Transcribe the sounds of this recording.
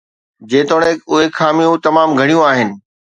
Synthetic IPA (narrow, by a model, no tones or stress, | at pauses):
d͡ʑeːt̪oːɽ̃ekʊɦexaːmijũt̪ɐmaːmɡʱɐɽ̃ijũaːɦɪnɪ̆